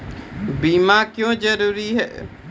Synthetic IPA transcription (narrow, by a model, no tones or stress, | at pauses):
biːmaːkjõːd͡ʒəɾuːɾiɦɛ̰ː